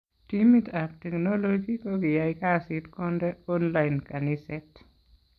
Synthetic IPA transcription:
timitaptɛknolod͡ʒikoɡijaikasɪtkɔndɛɔnlaɪnkanisɛt

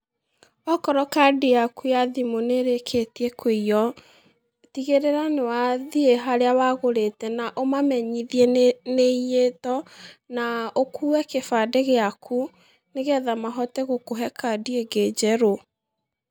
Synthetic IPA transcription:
ɔkɔɾɔkadijakujaðimoneɾekʰetiekweiɔ | tiɣeɾeɾanewaðieɦaɾeawaɣoɾetɛnaʔomamɛɲiðieneijetɔnaokʰuːwɛkefadeɣeakʰu | neɣɛðamaɦɔtɛɣokoɦɛkadieɡed͡ʒɛɾo

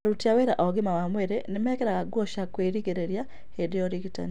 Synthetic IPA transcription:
ɾutiaweɾaʔɔɡimawamwɛɾenemɛkɛɾaɣaɡwoʃakweɾiɡeɾeɾja | hedeɔɾiɡita̰n

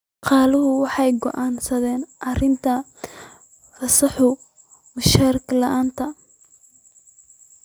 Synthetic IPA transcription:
qɑːlʊɦʊwɑħɑjɡɔ̰ʔaːnsɐðɛːnʔɐrɪnt̪ʰɐ | rɐsɑħʊ | mʊʃɐɾklɐʔaːnt̪ʰɐ

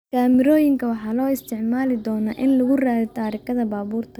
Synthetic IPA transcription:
kʰaːmɪɾɔːjɪŋkʰɐwɑħɑːlɔːɪst̪ʰɪʕmaːlɪd̪ɔːnɐʔɪnlʊɣʊraːðɪt̪ʰaːɾɪkʰɐðɐbaːβuːrt̪ʰɐ

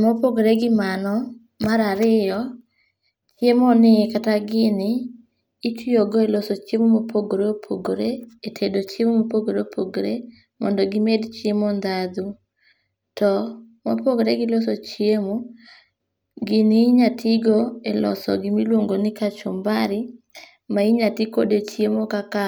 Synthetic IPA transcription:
mɔpoɡoɾeɡɪmanɔ | maɾaɾɪjɔ | t͡ʃjemɔnɪɛkataɡɪnɪː | tioɡɔelosot͡ʃemomopʰoɡoɾeopʰoɡoɾeetʰedot͡ʃemomopoɡoɾeopʰoɡoɾḛ | mɔ̰ndɔɡɪmedt͡ʃjemɔnd̪ad̪u | tɔ | ma̰poɡoɾeɡɪlosɔt͡ʃiemo | ɡɪnɪːɲatʰɪɡoelɔ̰sɔ̰ɡɪmilwoŋɡonɪkat͡ʃɔmbaɾɪ | maiɲatikodet͡ʃjemokaka

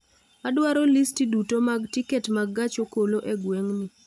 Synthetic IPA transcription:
adwaɾolistidutomaɡtiketmaɡat͡ʃokoloʔeɡweŋnɪ

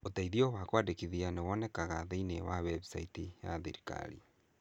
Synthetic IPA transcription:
otaiðiɔwakwadekiðianewɔnɛkaɣaðeinewawɛbusaitija̰ðḛɾika̰ɾḭ

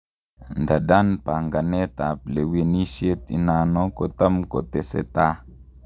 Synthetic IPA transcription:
ndadanpaŋɡanɛt̪ap̚lewenisjet̪ḭnanɔkot̪amko̰t̪ɛsɛ̰t̪a

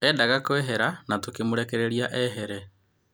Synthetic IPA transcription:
ɛdaɣakwɛɦɛɾanatokemoɾɛkɛɾeɾiaʔɛɦɛɾɛ

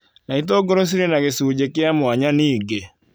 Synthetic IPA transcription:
nait̬oɡoɾos̬iɾenaɣesud͡ʒekɪamʊaɲaniːɡe

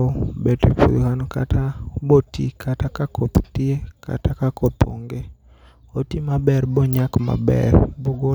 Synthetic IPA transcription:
bɛtepṵd̪kanka̰tabotḭkʰatakakot̪tiekʰa̰takakop̪ʰo̰ŋɡe | otimabɛrbɔɲakma̰bɛ̰rboɡo

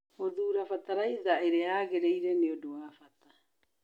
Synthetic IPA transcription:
oðuːɾafat̪aɾajzaʔeɾehaːɡeɾejɾenioduafat̪a

